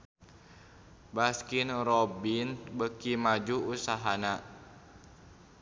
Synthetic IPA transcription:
baskinrɔbinbəkimad͡ʒuusaɦana

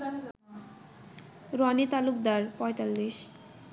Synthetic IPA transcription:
ɾoanit̪aluk̚d̪aɾpɔjt̪alːiʃ

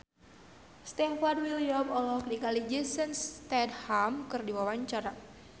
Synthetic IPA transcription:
st̪ɛnfardwiliɔbɔlɔɔk̚dikalid͡ʒəsənst̪ɛdhamkɨrdiwawaɲt͡ʃaɾa

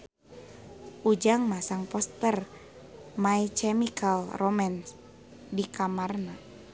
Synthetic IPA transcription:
ʔud͡ʒaŋmasaŋpɔst̪ər | mait͡ʃɛmikʰalrɔmans | dikamarna

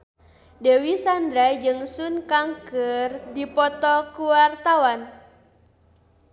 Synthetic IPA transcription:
dewisand̪ɾad͡ʒɨŋsunkaŋkɨrdipɔt̪ɔkuwart̪awan

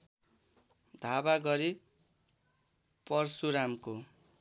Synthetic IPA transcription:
d̪ʱabaɡʌɾi | pʌrsuɾamko

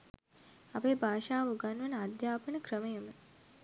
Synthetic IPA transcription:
apeːbʱaːʃaːʋuɡanʋənəad̪jaːpənəkrəməjəmə

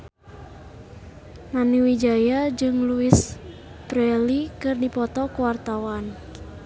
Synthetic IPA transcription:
naniwid͡ʒajad͡ʒɨŋluis | bɾɛlikɨrdipɔt̪ɔkuwart̪awan

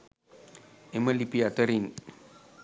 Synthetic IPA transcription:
eməlipiatəɾiŋ

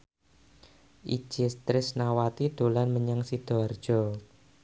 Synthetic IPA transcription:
ʔi̥d͡ʒ̥ɪst̪ɾɪsnawat̪id̪̥o̤lanməɲaŋsid̪̥ɔ̤ard̥ʒ̥ɔ̤

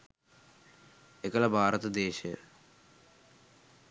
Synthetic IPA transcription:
ekɐlɐbʱaːɾɐt̪ɐd̪eːɕɐ

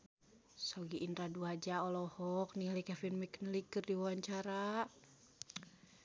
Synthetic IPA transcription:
sɔɡiʔːnɾaduad͡ʒaɔlɔhɔknilikɛfinmiknilikɨrdiwawaɲt͡ʃaɾa

